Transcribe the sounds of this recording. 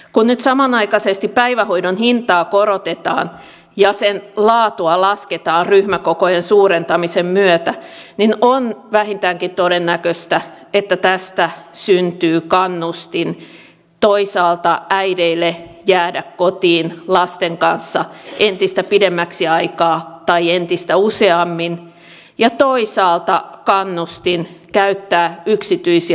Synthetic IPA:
kunnyt̪sɑmɑnɑikɑsest̪ippæiʋæhoidonhint̪ɑːkoɾot̪et̪ɑ̰ːn | jɑsenlɑːt̪uɑlɑsket̪ɑːrryhmækokojensuːɾent̪ɑmisemmyøt̪æninonʋæhint̪æːŋkint̪odenːækøst̪æ | et̪ːæt̪æst̪æsynt̪yːkɑnːust̪in | t̪oisɑːlt̪ɑʔæideilːejæːdækkot̪iːnlɑst̪eŋkɑnsːɑʔent̪ist̪æpidemːæksiɑikɑːt̪ɑient̪ist̪æuseɑmːin | jɑt̪oisɑːlt̪ɑkɑnːust̪inkæyt̪ːæːyksit̪yisi

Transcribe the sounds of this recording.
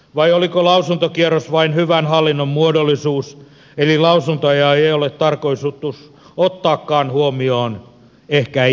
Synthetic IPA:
ʋɑiolikolɑusunt̪okierosʋɑinhyʋænhɑlːinːommuodolːisuːs | elilɑusunt̪ɑjɑːeiolet̪t̪ɑrkoisut̪ːus | ot̪ːɑːkːɑːnhuomioːn | ehkæ

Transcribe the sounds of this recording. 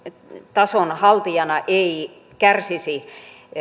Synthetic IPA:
t̪ɑsonhɑlt̪ijɑnɑʔei | kærsisi

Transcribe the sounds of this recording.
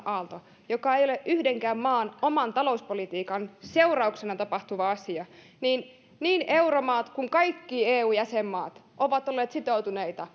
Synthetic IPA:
ʔɑlt̪o | jokɑejoleʔʔyhdeŋkæːmmɑːnomɑnt̪ɑlouspolit̪iːkɑnseurɑuksenɑt̪ɑpɑht̪uʋɑɑsiɑ | niːn | niːnewromɑːt̪kuŋkɑjkːieːuːjæsemːɑ̰ːt̪ʔoʋɑt̪olːeːt̪sit̪out̪uneit̪ɑ

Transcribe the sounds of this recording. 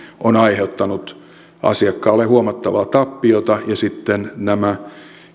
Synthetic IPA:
onɑiheut̪ːɑnut̪ | ɑ̰siɑkːɑːlːehuomɑt̪ːɑʋɑt̪ɑpːiot̪ɑjɑsit̪ːennæmæ

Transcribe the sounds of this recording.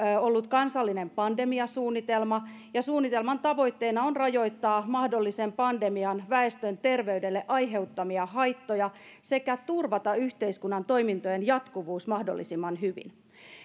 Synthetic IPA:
olːut̪kɑnsɑlːinempɑndemiɑsuːnːit̪elmɑ | jɑsuːnːit̪e̞lmɑnt̪ɑʋo̞it̪ːeːnɑonrɑjo̞it̪ːɑːmɑhdolːisempɑnde̞miɑnʋæest̪ønt̪e̞rʋeydelːeʔɑjɦe̞wt̪ːɑmiɑɦɑjt̪ːojɑse̞kæt̪urʋɑt̪ɑyçt̪eiskunːɑnt̪oimint̪ojenjɑt̪kuʋuːsmɑhdolːisimːɑnɦyʋḭn

